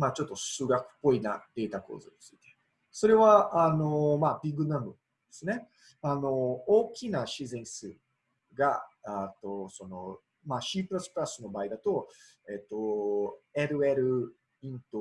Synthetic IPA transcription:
maːt͡ɕo̞t̪ːo̞sɨɡakɯ̟̥pːo̞ina̰d̪̥e̞ːt̪ako̞̰ːzɨɲit͡sɨit̪e̞̥ | so̞ɾe̞βaʔano̞mabʲiɡɯ̟nãmoad̪̥e̞sɨne̞ | ano̞oːkʲinaɕizẽ̞ɰ̃sɨ | ɡa̰at̪o̞sono̞ | maɕiːpɯ̟ɾasɨ̥pɯ̟ɾasɨno̞baːid̪at̪o̞ | e̞ːt̪ːo̞ | eɾɯ̟eɾɯ̟ | ĩnt̪o

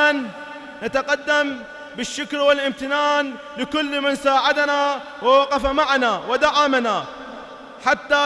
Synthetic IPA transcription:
an | nat̪aqad̪ːam | bɪʃːʊkɾwɪlʔɪmt̪ɪnaːn | lɪkʊlːmɪnsaːʕad̪ana | wawaqɑfamaʕanawɪd̪aʕamana | ħat̪ːa

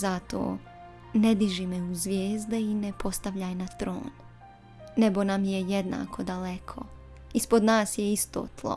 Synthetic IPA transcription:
zat̪o̰ː | ned̪iʒimeuzʋjeːzd̪einepʰo̞st̪aʋʎaːjnat̪ɾo̰ːnː | eɡo̞namjejed̪na̰ːkʰo̞d̪alekʰo̞̰ | ispod̪naːsjɛist̪o̰ːt̪lˠo̰

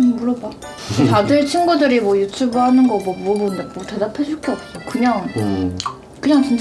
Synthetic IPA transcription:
muɾʌba | tadɯɭt͡ɕʰinɡudɯɾimwʌjutʰubɯhanɯnɡʌmwʌbuʌbondemote̞dapʰed͡ʑuɭk͈oʌp͈̚okɯɲaŋ | kɯɲaŋt͡ɕint͡ɕ

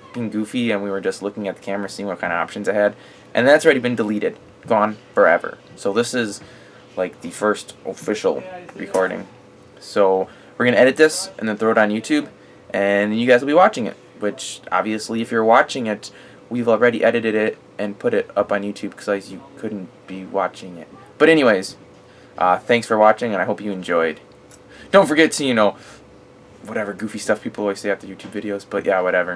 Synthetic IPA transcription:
b̥ɨ̃nɡʉfiɨ̃nwiwə˞d͡ʒʌstˡlʊkɪ̃ŋɨt̪̚ðə̥kʰæmə˞ɨsiɪ̃ŋwʌt̚kʰãɪ̃nɨ̰ɑ̰pʃɨ̃n̩zɨhɛd | ʔɨ̰̃nðɨ̃ɨtslˠɹɛɾibɨ̃ndəliɾɨd̥̚ | ɡ̥ɔ̃nfə˞ɛ̰və̰˞ | soʊðɪsɪz | laɪk̚ðɨfɜ˞stʔəfɪʃl̩ˠɹɨ̰kʰɔɹɾɪ̰̃ŋ | soʊ | wɨɹɡʌ̃nɨɛɾɨt̪̚ðɪsʔɨ̃nðɨ̃nθɹoʊɾn̩jʉtʰʉb | ʔɨ̃njɨɡaɪzwl̩ˠbiwɑt͡ʃɪ̃ŋɪ̰t̚ | wɪt͡ʃɑ̰bviɨsliɨfjə˞wɑt͡ʃɪ̃ŋɪt̚ | wivl̩ˠɹɛɾiʔɛɾɨɾɨɾɪɾ | ɨ̃npʰʊɾɪɾʌpn̩jʉtʰʉb̚kʰʌ̥z̥azjɨkʰʊdⁿn̩b̥iwɑ̰t͡ʃɪ̃ŋɪ̰t̚ | b̥ʌɾɛñiweɪz̥ | ʔʌ̰θæ̃ŋksfə˞wɑt͡ʃɪ̃ŋɨ̃ñaɪɦoʊpjɨɨ̃nd͡ʒɔɪd̥ | d̥õʊ̃ntfə˞ɡɛtʰɨjɨnoʊ | wʌɾɛvə˞ɡʉfistʌfpʰipl̩ˠwaɪseɪæftə˞jʉtʰʉbvɪɾioʊzb̥ʌʔ̚jʔæwʌɾɛvə˞

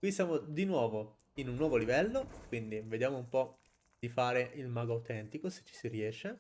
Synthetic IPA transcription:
kwisjaːmod̪inwɔːvo | inunːwɔːvolivɛlːokwind̪ived̪jaːmoumpɔ | d̪̥ifaːɾeʔilmaːɡoawt̪ɛnt̪ikose̥t͡ʃːi̥siriɛːʃe

